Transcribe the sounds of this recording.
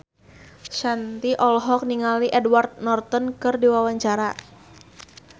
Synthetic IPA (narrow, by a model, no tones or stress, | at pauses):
ʃant̪iʔɔlɦɔk̚niŋaliʔɛdwart̪̚nɔrt̪ɔnkɨrdiwawaɲt͡ʃaɾa